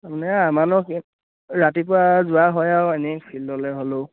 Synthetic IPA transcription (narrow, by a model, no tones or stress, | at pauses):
amanɛamanɔk | ɹatip̬ʊɹazʊaɦɔjaʊɛnɛksʰilːɔlɛɦolo